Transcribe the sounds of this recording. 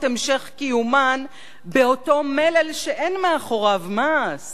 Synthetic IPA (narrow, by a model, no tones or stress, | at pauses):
emʃe̞χkijuman | beo̞to̞melelʃeʔe̞nmeaχo̞ʁavmas